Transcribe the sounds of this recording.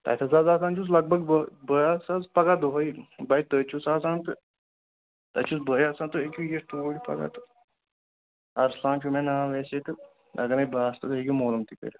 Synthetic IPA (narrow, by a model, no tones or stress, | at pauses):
t̪ɐ̰jt̪ʰɐzazaːzaːnt͡ʃuslɐɡ̚bɐɡbəbəjasazpɐɡad̪oɦɐjibɐjt̪əːt͡ʃʰusaːzaːnt̪ɨ | t̪ɐt͡ʃʰusbəjaːsant̪ɨekʲujeɾt̪oːɽipɐ̰ɡa̰t̪ɨ̥ | ɐɾslãːnt͡ʃʰumẽnaːʋeːset̪ɨ | ɐ̰ɡɐnɐjbaːst̪ɨt̪eɡʲumoːlɐmt̪ikə̰ɾʲi